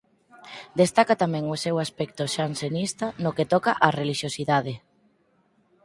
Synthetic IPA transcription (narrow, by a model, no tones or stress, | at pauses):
d̪est̪akat̪amɛ̃ŋosewaspɛk̚t̪oʃansenist̪ɐnoket̪ɔkaʔareliʃjosiðaðe